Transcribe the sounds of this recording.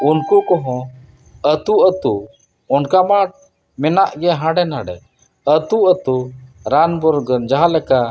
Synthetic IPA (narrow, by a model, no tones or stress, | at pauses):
unkukɔɦɔ̃ | ət̪uət̪u | ɔnkamaʈ̚ | mɛnaʔɡɛɦãɖɛnɦãɖɛ̰ | ət̪uət̪uɾanbɔɾɡənd͡ʒaɦalɛka